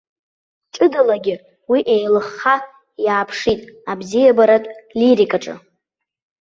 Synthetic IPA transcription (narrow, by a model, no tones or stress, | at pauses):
t͡ʃʼɨdalaɡʲɪ | wiʔejlɨχːa | jaːpʰʂitʼabzijabaɾatʼliɾikʼaʈ͡ʂʼɨ̰